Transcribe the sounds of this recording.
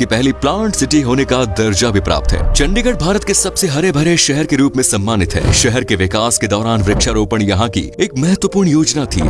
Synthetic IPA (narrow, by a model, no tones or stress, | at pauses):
kipɛɦliplãːɳʈsɪʈiɦoːnekad̪ɐɾd͡ʒabʱipɾa̰ːp̚t̪ɦɛ̰ːt͡ʃɐ̃ɳɖɪɡəɽ̚bʱaːɾət̪kesɐbseɦɐɾebʱɐɾeʃɛɦɛɾkeɾuːpmẽsɐmːaːnɪt̪ɦɛ̰ːʃɛɦɛɾkeʋɪkaːsked̪ɔːɾaːnʋɾɪkʃaɾoːpəɳjɐɦãkḭeːk̚mɛɦɛt̪ʋəpuːɾɳjoːd͡ʒnat̪ʰḭː